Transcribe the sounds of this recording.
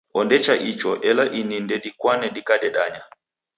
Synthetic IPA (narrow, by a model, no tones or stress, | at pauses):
ɔndɛt͡ʃaʔit͡ʃɔʔɛlaʔinindɛɗikwanɛɗikaɗɛɗaɲa